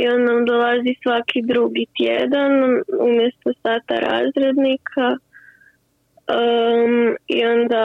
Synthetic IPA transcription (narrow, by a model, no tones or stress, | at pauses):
io̞nnamd̪olˠazisʋakʰid̪ɾuɡit̪jed̪anumjɛst̪osaːt̪a̰ɾa̰ːzɾed̪nikʰa | ḭo̞nd̪a